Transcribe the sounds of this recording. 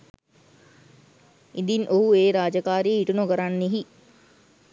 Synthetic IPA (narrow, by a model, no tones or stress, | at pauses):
id̪inʔoɦueːɾaːd͡ʒəkaːɾijeiʈunokəɾanːeɦi